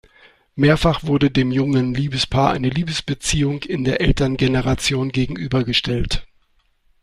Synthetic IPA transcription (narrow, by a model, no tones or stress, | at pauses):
meːɐfaχv̥ʊɐdədeːmjʊŋənliːbəspʰaːɐʔa̰ɪnəliːbəsb̥ət͡siːʊŋɪndeːɐʔɛltɐnɡenəʁat͡sjoːnɡeːɡŋ̩ʔyːbɐɡəʃtʰɛlt